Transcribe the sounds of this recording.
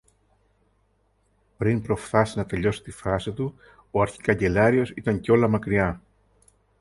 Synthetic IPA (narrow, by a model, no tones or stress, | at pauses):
pɾinpɾo̞fθɐsinɐt̪e̞ʎo̞si̥t̪ifɐsit̪u | oɐɾçi̥kɐɲɟe̞lɐɾio̞sit̪ɐɲceo̞lɐmɐkɾiɐ